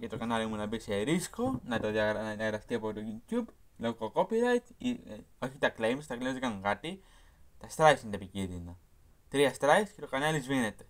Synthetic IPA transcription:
ket̪okanalimunabisajɾiskonat̪oðaaðaɣɾast̪iapot̪ojut̪jub | loɣkokopiɾajt̪ioçit̪aklejmst̪aklemskaŋɡat̪i | t̪ast̪ɾajsind̪epikiðina | t̪ɾiast̪ɾajskit̪okanalisβinet̪e̥

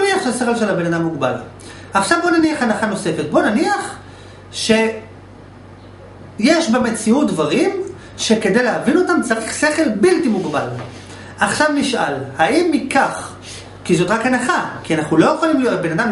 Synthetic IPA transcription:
niaχʃeseχelʃe̞labe̞nadamːuɡba̰l | aχʃavbonaniaχanaχano̞se̞fet̚bo̞naniaχ | ʃe̞ | jeʃbame̞t͡siut̚dvaʁim | ʃe̞ke̞dejleavino̞tamt͡saʁiχse̞χe̞lbiltimuɡbal | ʔaχʃavniʃʔalhaimːikaχ | kizo̞tʁakhanaχakianaχnulo̞jeχolimlijotbe̞nadam

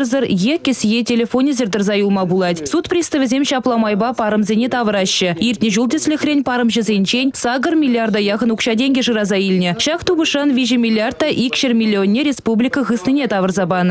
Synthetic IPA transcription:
ɾzəɾjekʲːɪsɪjetʲʰelʲefonʲezʲeɾd̪ɪrzɑjulˠmɑbulˠɑd̪sut̪prʲist̪əvɪzʲemʃɑplˠɑmɑjbɑpʰɑɾəmzʲenʲet̪ʰɑvəɾɑʃəirt̪nʲeʒulˠd̪ɪslʲɪxʲrʲenʲpʰɑɾəmʒəzʲenʃenʲsɑɡəɾmʲilʲːiard̪ɑjɑʁənukʃɑd̪ʲeŋɡʲeʒəɾɑzɑjelʲɪnʲeʃɑqt̪ubəʃɑnvʲiʒəmʲilʲːiart̪ːɑʔikʲʃɪɾmʲilʲːionʲːeɾʲe̞spublʲijkəʁəsnənʲe̞t̪ʰɑvərzɑbɑnə

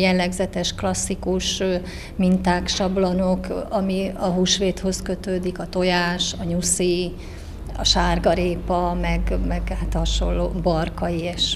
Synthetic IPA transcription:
jɛlːɛɡzɛt̪ɛʃklɒsːikuʃ | mint̪aːkʃɒblɒnokɒmiɒɦuːʃʋeːt̪ho̞skø̞t̪øːd̪ikɒt̪o̞jaːʃɒɲusi | ɒ̰ʃaːrɡɒɾeːpɒmɛɡmɛɡhat̪hɒʃo̰lːoːbɒrkɒjieʃ

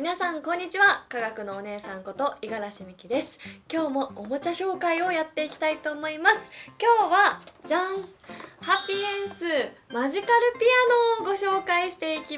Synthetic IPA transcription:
mʲinasãŋkõ̞ɲ̟ːit͡ɕiβakaɡakɯ̟no̞ːne̞ːsãŋko̞t̪o̞iɡaɾaɕimʲikʲid̪e̞sɨ̥kʲo̞ːmo̞omot͡ɕaɕo̞ːkaio̞jat̪ːe̞ikʲi̥t̪ait̪o̞ːmo̞imasɨ̥kʲo̞ːβad͡ʑãɴhapʲːiẽɰ̃sɨmaʑikaɾɯ̟pʲiano̞ːɡo̞ɕo̞ːkaiɕi̥t̪e̞ikʲi

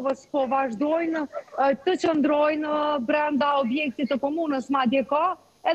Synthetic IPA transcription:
vəspɔvaʒd̪ɔjnt̪ət͡ɕənd̪ɾɔjnbɾɛnd̪aɔbjɛk̚t̪it̪əkɔmunəsmad̪jɛka | ɛ

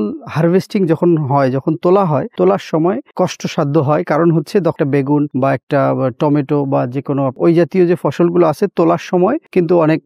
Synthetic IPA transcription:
lhaɾbʱesʈiŋd͡ʑɔkʰonɦɔed͡ʑɔkʰont̪olaɦɔet̪olaɾʃɔmɔekɔʃʈoʃad̪ʱːoɦɔekaɾonɦotːɕʰed̪ɔkʰʈabeɡunbaɛk̚ʈaʈɔmeʈobad͡ʑekonoojd͡ʑat̪iod͡ʑefɔʃolɡuloat͡ɕʰet̪olaɾʃɔmɔekint̪̬uɔnek̚

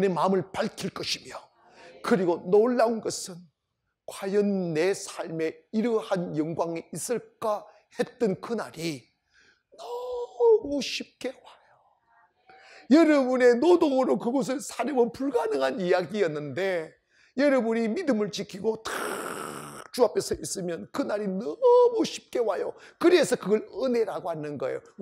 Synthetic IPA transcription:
ne̞mamɯɭpaɭkʰiɭk͈ʌɕʰimjo | kɯɾiɡonoɭːaunɡʌsʰɯn | kwajʌnːe̞sʰaɭme̞iɾɯhanjʌŋɡwaŋiis͈ɯɭk͈a | he̞t̚t͈ɯnkɯna̰ɾi | nʌmuɕʰip̚k͈e̞wajo | jʌɾʌbune̞nodoŋɯɾokɯɡʌs̬ʰɯɭsʰaɾɯmʌpuɭɡanɯŋɦanijaɡijʌnːɯnde̞ | jʌɾʌbunimidɯmɯɭt͡ɕikʰiɡota | t͡ɕuapʰesʰʌʔis͈ɯmjʌnkɯnaɾinʌmuɕʰi̥p̚k͈e̞wajokɯɾesʰʌkɯɡʌɾɯne̞ɾaɡohanːɯnɡʌḛjo̰

